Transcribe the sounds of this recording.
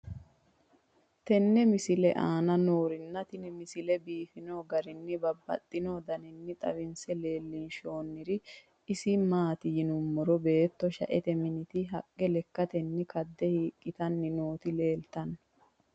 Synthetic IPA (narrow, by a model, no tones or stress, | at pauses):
t̪ɛnːɛmɪsɪlɛʔaːnɐno̞ːɾɪnːɐt̪ɪnɪmɪsɪlɛbiːfɪnoːɡɐɾɪnːɪbɐbːɐ̰t̪ʼːɪnoːd̪ɐnɪnːɪt̪ʼɐ̰wɪnsɛle̞ːlːɪnʃo̞ːnːɪɾɪ | ɪsɪmaːt̪ɪjɪnʊmːɔɾɔbe̞ːt̪ːɔʃɐ̰ʔɛt̪ɛmɪnɪt̪ɪɦɐkʼːɛlɛkːɐt̪ɛnːɪkɐd̪ːɛhiːkʼːɪt̪ɐnːɪno̞ːt̪ɪle̞ːlt̪ɐnː